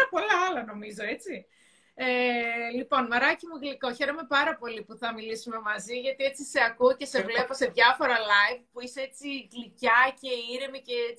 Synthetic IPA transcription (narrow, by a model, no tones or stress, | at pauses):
ɐpo̞lɐɐlɐno̞mizo̞e̞t͡si | elipo̞nmɐɾɐcimuɣliko̞çe̞ɾo̞me̞pɐɾɐpo̞lipuθɐmilisume̞mɐziʝɐt̪ie̞t͡sise̞ɐkuce̞se̞vlepo̞se̞ðʝɐfo̞ɾɐlɐivpuisee̞t͡siɣlicɐce̞iɾemice̞